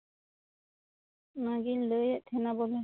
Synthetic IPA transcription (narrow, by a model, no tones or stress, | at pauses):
naɡinlɯjɛʔt̪ʰɛnabɔlɛ